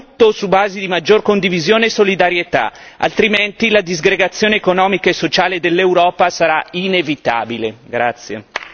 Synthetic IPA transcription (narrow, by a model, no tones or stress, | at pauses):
t̪ːosubaːzid̪imad͡ʒːorkond̪ivizjoːneːsːolid̪aɾjet̪a̰ | a̰lt̪ɾiment̪ilad̪izɡɾeɡat̪sːjoːneːkonɔːmikaesːot͡ʃaːled̪elːewɾɔːpasaɾainevit̪a̰ːbileɡɾat̪sːje